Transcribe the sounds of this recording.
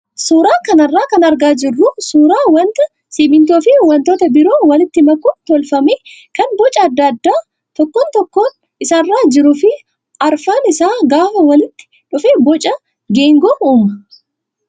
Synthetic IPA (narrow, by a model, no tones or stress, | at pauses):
suːɾaːkɐnɐrːaːkɐnɐɾɡaːd͡ʒɪrːʊsuːɾaːwɐnt̪ɐ | sɪːmɪnt̪̬oːfɪwɐnt̪o̞ːt̪ɐbɪɾo̞ːwɐlɪt̪ːɪmɐkːʊt̪ɔlfɐmeːkɐnbɔt͡ʃʼɐːd̪ːɐːd̪ːaː | t̪ɔkːoːnt̪ɔkːo̞ːn | ɪsarːaːd͡ʒɪɾʊfɪ | ɐɾfaːnɪsaːɡaːfɐwɐlɪt̪ːɪ̥ | ᶑʊfeːbɔt͡ʃʼɐ | ɡeːŋɡoːuːmɐ